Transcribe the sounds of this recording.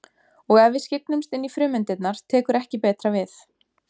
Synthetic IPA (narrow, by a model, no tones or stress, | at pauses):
ɔɣɛvvɪscɪk̚nʏmst̪ɪnːifɾʏːmɪnt̪ɪt̪naɾ̥t̪ʰɛːkʏɾɛhcɪpɛːt̪ɾavɪθ